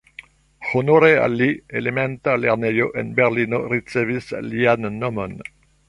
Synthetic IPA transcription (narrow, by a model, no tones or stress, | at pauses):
χonoɾea̰lːielemɛnt̪aleʁnejoʔɛnbɛʁlinorit̪sevisliannɔmɔn